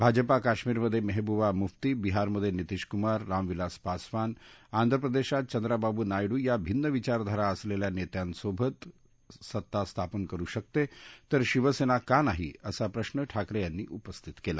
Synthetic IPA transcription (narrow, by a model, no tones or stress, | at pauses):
bʱad͡ʒəpakaʃmiːɾməd̪ʱːjemeɦebuʋamuft̪ibiɦaɾməd̪ʱːjenit̪iʃkumaɾːamʋilaspasʋanand̪ʱɾəp̬ɾəd̪eʃat̪̚t͡ʃənd̪ɾababunajɽuːjabʱinːəʋit͡ɕaɾd̪ʱaɾaəsleljanet̪jansobʱət̪ | sət̪ːast̪ʰapənkəɾuʃək̚t̪et̪əɾʃiʋəsenakanaɦḭəsapɾəʃnəʈʰakɾejanːiːʔupəst̪ʰit̪kela